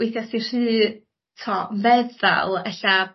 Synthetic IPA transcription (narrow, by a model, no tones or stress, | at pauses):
wɪθjasir̥ɨː | tʰɔvɛða̰lˠɛɬa